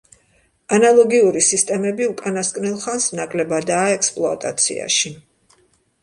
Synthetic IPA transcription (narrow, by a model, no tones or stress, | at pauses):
analˠɔɡiuɾisist̪ʼɛmɛbiukʼanaskʼnilˠχansnakʼlɛbad̪aːɛkspʼlˠɔa̰t̪ʼa̰t̪sʰḭa̰ʃi